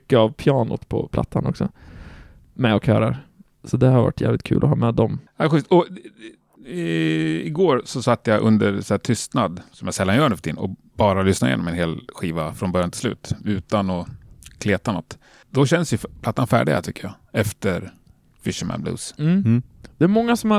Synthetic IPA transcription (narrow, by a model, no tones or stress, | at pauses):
kːəavpʰjɑːnʊ̰t̪pʰɔ̰pʰla̰t̪ːanɔksɔ | mɛɔkhœ̰ːɾaɾ | sɔd̪ɛhaɾva̰ʈːʰjæ̰ːvlɪt̪kʰʉ̟ːlʔɔɦɑːmɛːd̪ɔmɑɧʏst̪ɔ | ɪɡoːɾsɔsat̪ːjaʔɵnd̪əɾsæːt̪ʰʏst̪nad̪sɔmjasɛlːanjœːɳəfœt̪ʰɪnɔ̰b̥ɑːɾalʏsnajḛnɔmɛnɦeːlɧiːvafɾɔnbœɾjant̪ɪlslʉ̟̰ːt̪ʉ̟ːt̪anɔkʰleːt̪anɔt̪ː | d̪̥ɔɕɛnəsjɵpʰlat̪ːanfæ̰ːɖɪ̰ɡa̰t̪ʰʏkːəja | ɛft̪əɾ | fɪʂəmæ̰nblṵːs̩ | d̪̥ɛæɾmɔŋːasɔmha